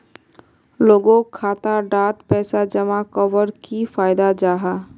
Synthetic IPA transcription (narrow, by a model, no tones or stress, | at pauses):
loːɡõkʰːaːt̪aɖaːt̪pɛːsad͡ʒəmakɔʋəɾkifaːɪd̪ad͡ʒaːɦaː